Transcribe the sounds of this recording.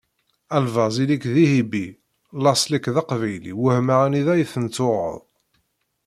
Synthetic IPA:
ælvɑzilikðihibi | lɑsˤlikðɑqvæjlḭwəhmaʁæniðæjθənt͡sːʊɾə̰ðˤ

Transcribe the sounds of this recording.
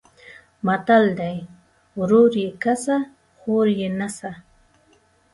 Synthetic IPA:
mat̪ald̪aj | ɾʊɾjɪkasa | χoɾjɪnasa

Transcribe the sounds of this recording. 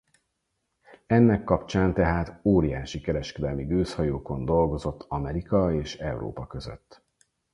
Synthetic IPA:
ɛnːɛkːɒpt͡ʃaːnt̪ɛɦaːt̪oːɾijaːʃikɛɾɛʃkɛd̪ɛlmiɡøːshɒjoːko̞nd̪o̞lɡo̞zo̞t̪ʰːɒmɛɾikɒeːʃɛuɾo̰ːpɒkø̞zø̰t̪ː

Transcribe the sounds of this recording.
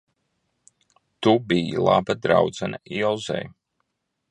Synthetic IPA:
t̪ubijḭlˠa̰bad̪ɾawd̪zanailˠzɛ̰j

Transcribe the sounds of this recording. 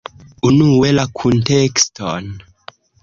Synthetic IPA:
unuwelakʰuntekstʰɔn

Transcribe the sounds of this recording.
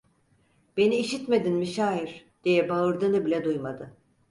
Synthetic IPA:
b̥e̞niːʃit̪me̞d̪inmiʃaːjiɾ̥d̪̥ijɛbaɯɾd̪ɯnɯbilʲɛd̪ujmad̪ɯ

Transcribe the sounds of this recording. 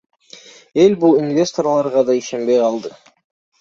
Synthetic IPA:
elbulˠinvʲe̞st̪orlˠɑɾʁɑd̪ɑiʃembejqɑlˠd̪ə

